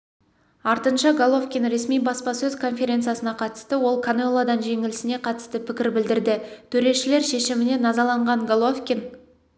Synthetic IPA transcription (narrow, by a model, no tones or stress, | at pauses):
ɑɾt̪ənʃɑɡolˠo̞fkʲinɾe̞smijbɑspɑsɵzkʰo̞nfʲe̞ɾʲensijasənɑqʰɑt̪ə̥st̪əwo̞lˠkʰanolˠad̪ɑnʒe̞ŋɪlɪsɪne̞qʰɑt̪ə̥st̪əpʰɪkʲɪɾbɪld̪ɪɾd̪ɪt̪ʰɵɾe̞ʃɪle̞ɾʃe̞ʃɪmɪne̞nɑzɑlˠɑɴʁɑɴɡolˠofkʲin